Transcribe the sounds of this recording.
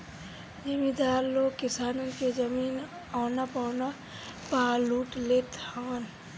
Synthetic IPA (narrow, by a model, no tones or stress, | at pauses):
d͡ʒɪmid̪aːɾloːkɪsaːnənked͡ʒəmiːn | aːnapaːna | paːluːʈleːt̪haːn